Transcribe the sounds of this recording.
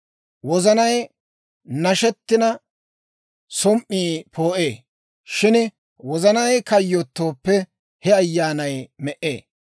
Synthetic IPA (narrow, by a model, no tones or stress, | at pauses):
wɔzɐnɐj | nɐʃɛt̪ːɪnɐ | sɔmʔːiːpʰoːʔeː | ʃɪn | wɔzɐnɐjkɐjːot̪ːoːpːɛ | hɛɐjːaːnɐjmɛʔeː